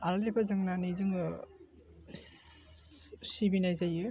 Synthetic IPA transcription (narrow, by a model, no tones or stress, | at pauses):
allipazɯŋnanijzɯŋ | sibinajzajɯ